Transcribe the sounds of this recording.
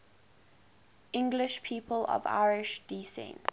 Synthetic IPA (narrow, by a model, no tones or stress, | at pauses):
ɪ̃ŋɡlɪʃpʰiːˑpʰəlɔ̰va̰ɪɹɪʃd̥isɛ̰̃nt